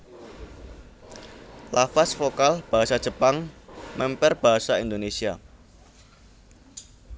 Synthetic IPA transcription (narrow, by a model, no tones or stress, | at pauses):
lafasfokalb̥aɦasad̥ʒ̥əpaŋmʔɛmpɛrb̥a̤ɦasaind̪onesia